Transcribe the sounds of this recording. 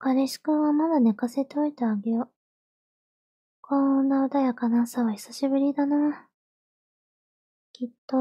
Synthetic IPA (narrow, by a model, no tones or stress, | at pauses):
kaɾeɕi̥kɯβamad̪anekase̞t̪eoit̪aːɡejo | kʰõnːaɯd̪ajakanasaβai̥saɕibɯ̟ɾʲid̪ana | kʲit̪ːo